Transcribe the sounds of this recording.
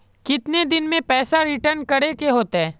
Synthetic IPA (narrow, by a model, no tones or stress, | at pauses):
kɪt̪ned̪ɪnmẽpɛːsaɾɪʈəɾnkɐɾekeɦoːt̪aɦɛː